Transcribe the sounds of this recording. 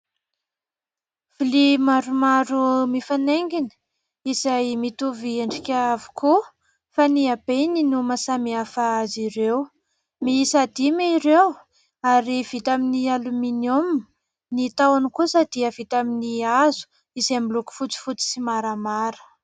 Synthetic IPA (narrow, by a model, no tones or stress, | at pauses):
v̥ilimaɾumaɾumifaneŋɡini̥ | izajmit̪uvieɳɖ͡ʐikʲəavu̥kʰu | faniabeninumasamiafaaziɾew | miisad̪imiɾew | aɾiv̥it̪aminialuminom | nit̪awanikusəd̪̥iəvit̪aminiazu̥ | izemiluku̥fut͡si̥fut͡si̥simaɾamaɾə̥